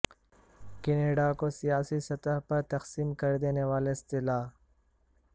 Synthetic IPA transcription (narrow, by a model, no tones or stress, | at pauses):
keneːɖakosijaːsisɐt̪əɦpɐɾt̪ɐqsiːmkɐɾd̪eːneʋaːleɪst̪ɪlaː